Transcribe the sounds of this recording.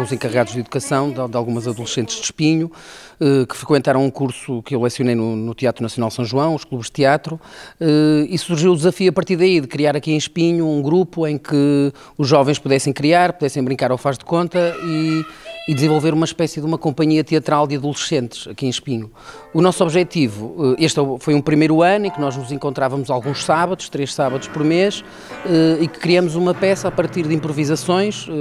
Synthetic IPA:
ũzẽkɐʁɨɣaðuʒðiðukɐsɐ̃w̃d̪ad̪alˠɣumɐzɐðulˠʃẽnt̪ʒ̥d̪ʃpiɲu | ɛkɨ̥fɾɨkwẽnt̪aɾɐ̃w̃ũkuɾsukewlˠɛsjunejnunut̪iat̪ɾunɐsjunalˠsɐ̃w̃ʒuɐ̃w̃uʃklˠuβʒt̪jat̪ɾuɛisuɾʒiwud̪zɐfiuɐpɐɾt̪iɾðɐiðɨkɾiaɾɐkiẽj̃ʃpiɲuũɡɾupuẽj̃kɨ | uʒːɔvẽj̃ʃpuðɛsẽj̃kɾiaɾpuðɛsẽj̃bɾĩŋkaɾɔfaʒðkõnt̪ɐiː | ðɨzẽvolˠveɾumɐʃpɛsiðumɐkõmpɐɲiɐt̪iɐt̪ɾalˠd̪ɨɐðulˠʃẽnt̪ʃɐkiẽʃpiɲu | unɔsɔβʒɛt̪ivuɛʔeʃt̪ɛfojũpɾimejɾuɐnuẽknɔʒnuzẽŋkõnt̪ɾavɐmuzalˠɣũʃsaβɐðuʃt̪ɾeʃsaβɐðuʃpɔɾmeʃ | ɛikɨ̥kɾiɐmuzumɐpɛsɐapɐɾt̪iɾðĩmpɾuvizɐsõj̃ʃ

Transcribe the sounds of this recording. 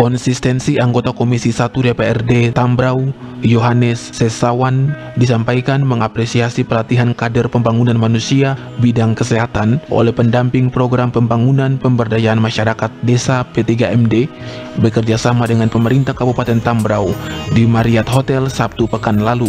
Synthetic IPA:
kɔnsist̪ɛnsiaŋɡot̪akomisisat̪udepeɛrdet̪ambɾaw | joɦanɛsːɛsawan | disampajkanməŋapɾɛsiasipəlat̪iɦankadərpəmbaŋunanmanusia | bidaŋkəsɛɦat̪anʔo̰lɛhpəndampɪŋpɾoɡɾampəmbaŋunanpəmbərdajaːnmaʃaɾakat̪̚desapet̪iɡaʔɛmdebərkərd͡ʒasamadəŋanpəməɾint̪ahkabupat̪ɛnt̪ambɾawdimaɾiat̪̚ɦot̪ɛlsap̚t̪upəkanlalu

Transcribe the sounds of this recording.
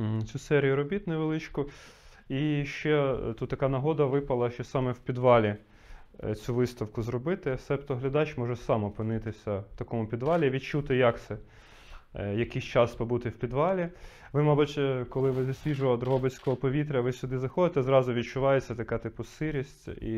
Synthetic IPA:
t͡sʲusɛɾʲijʊɾɔbʲit̪nɪjʋelˠɪt͡ʃkɔ | iʃt͡ʃɛt̪ut̪ːɐkɑnɐɦɔd̪ɐʋɪpɐlˠɐʃt͡ʃɛsɑmɛwpʲid̪ʋɑlʲi | t͡sʲuʋɪst̪ɐwkʊzrɔbɪt̪ɪsɛpt̪ɔɦlʲɐd̪ɑt͡ʃʲmɔʒɛsɑmɔpɪnɪt̪ɪsʲɐwt̪ɐkɔmʊpʲid̪ʋɑlʲiʋʲid̪̚t͡ʃut̪ɪjɐksɛ | jɐkɪst͡ʃɑspɔbut̪ɪwpʲid̪ʋɑlʲi | ʋɪmɑbutʲkɔlˠɪʋɪzɐsʲʋʲiʒʊʋd̪ɾʊɦɔbɪt͡sʲkɔɦɔpɔʋʲit̪̬ɾʲɐʋɪsʲʊd̪ɪzɐxɔd̪ɪt̪ɛzɾɑzʊʋʲid̪̚t͡ʃʊʋɑjet͡sʲːɐt̪ɐkɑt̪ɪpʊsɪɾʲisʲtʲḭ

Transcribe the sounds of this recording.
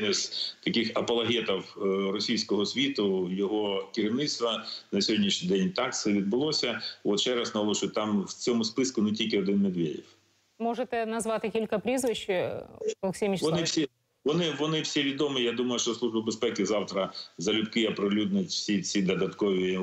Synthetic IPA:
nɪsʲt̪ɐkɪxɐpɐlˠɐɦʲɛt̪ɐwrɔsʲijsʲkɔɦɔsʲʋʲit̪ʊjɔɦɔkɪɾʲiwnɪtst̪ʋɐnɐsʲɔɦɔdʲnʲiʃɲʲid̪ɛnʲt̪ɑkt̪sɛʋʲid̪̚bɪlˠɔsʲɐɔt̪ʃt͡ʃɛɾɐsnɐlˠɔʃʊjʲt̪ɑmwt͡sʲɔmʊspɪskʊnetʲilʲkɪɔd̪ɪnmed̪ʋʲedʲiw | mɔʐet̪ɛnɐzʋɑt̪ɪkʲilʲkɐpɾʲizʋɪʃ | lˠksʲijmʲiʃɔnɪsʲi | ʋɔnɪʋɔnɪwsʲiʋʲid̪ɔmɪjad̪umɐjʊʃt͡ʃɔslˠuʒbɐbespɛkɪzɑwt̪ɾɐzɐlʲʊpkɪɐpɾɪlʲud̪nʊtʲwsʲit͡sʲid̪ɔd̪ɐt̪kɔʋʲi

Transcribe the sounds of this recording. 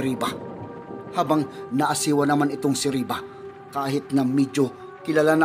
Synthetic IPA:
ɾiːba | haːbɐŋnɐʔɐsiːwɐnɐmanɪt̪oŋsɪɾiːba | kaːɦɪt̪̚nɐmid͡ʒo | kɪlalanɐ

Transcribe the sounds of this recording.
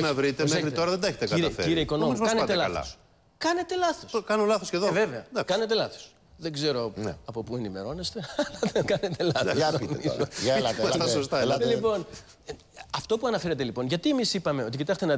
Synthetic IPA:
nɐvɾit̪emexɾio̞ɾɐðend̪ɐeçet̪eɐiɾefeiɾɾeiko̞nomzɐkɐnet̪eelɐɐlɐ̰s | kɐne̞t̪e̞lɐθoskɐnolɐθosceðoeveveɐnkɐne̞t̪e̞lɐθo̥s | ðe̞ɡze̞ɾo̞̰ɐpo̞pue̞nime̞ɾo̞ne̞st̪e̞ɐlɐðeɡɐnet̪elɐost̪oniloɐɐsɐsost̪ɐlipo̞n | ɐft̪o̞puɐnɐfe̞ɾɐt̪e̞lipo̞nʝɐt̪iemisipɐmeo̞t̪icit̪ɐçt̪enɐ

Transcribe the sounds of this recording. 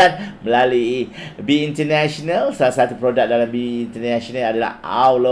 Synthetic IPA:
anmə̃laluibiːnt̪ənaʃonãlsəlasat̪upɾodak̚dalambiːnt̪ənãsonãadala̰ha̰wlo

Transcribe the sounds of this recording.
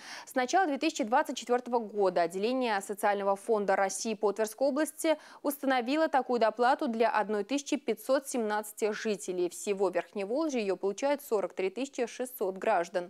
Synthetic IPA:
snɐt͡ɕalˠəd̪vʲe̞t̪ɨsʲɪ̥t͡ɕɪd̪vat̪sɨt̚ʲt͡ɕːɪt̪vʲo̞rt̪əvəɡo̞d̪əɐdʲːɪlʲenʲɪjəsət̪sɨalʲnəvəfo̞nd̪əɾɐsʲːiːpot̪vʲɪrskəjo̞blˠəsʲtʲɪʊst̪ənɐvʲilˠət̪ɐkujʊd̪ɐplˠat̪ʊd̪lʲaʔɐd̪no̞jt̪ɨsʲɪ̥t͡ɕɪpʲɪtʲso̞t̪sʲɪmnat̪sɨ̥tʲɪʐɨtʲɪlʲejfsʲɪvo̞vʲɪrxnʲɪjəvo̞lˠʐəjɪjo̞pəlˠʊt͡ɕæjʊt̪so̞ɾək̚t̪ɾʲit̪ɨsʲɪt͡ɕɪʂɨsːo̞t̪ɡɾaʐd̪ən

